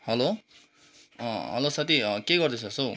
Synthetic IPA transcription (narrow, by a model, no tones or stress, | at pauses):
hʌlo | ʌɦʌ̰losat̪ikeɡʌrd̪et͡sʰʌsow